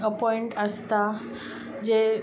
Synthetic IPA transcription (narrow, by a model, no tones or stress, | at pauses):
əpɔiɳʈəst̪a | d͡ʑe